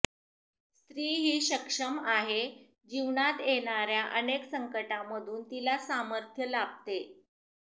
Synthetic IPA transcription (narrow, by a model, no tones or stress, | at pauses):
st̪ɾiːɦiːɕəkʂəmaɦe | d͡ʑiʋɳat̪jeɽ̃aɾjaʔəneksəŋkəʈaməd̪ʱuːnt̪ilasaməɾt̪ʰjəlab̚t̪e